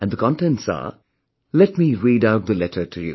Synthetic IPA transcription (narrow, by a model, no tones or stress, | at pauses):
ɨ̃nðəkʰɑ̃ntɛ̃ntsə̰ | lɛt̚miɹidaʊt̚ðəlɛɾə˞tʰɨjṵ